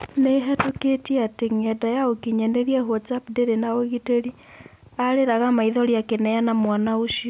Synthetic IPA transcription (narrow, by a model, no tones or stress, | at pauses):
neɦɛtoketiɛateŋɛdajaokiɲɛneɾiɛɦwɔt͡sapdeɾenaoɣiteɾi | aɾeɾaɣamaiðɔɾiakenɛjanamwanaoʃiɔ